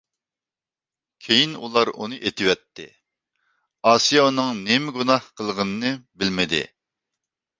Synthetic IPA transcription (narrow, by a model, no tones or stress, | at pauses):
kʲʰejinulˠɑɾṵnɨʔet̪ʰɪwɛt̪ʰːɪ̰ | ɑsijɑunɨŋnemɪɡunɑhqʰəlˠʁənɨnɨbɪlmɪd̪ɪ̰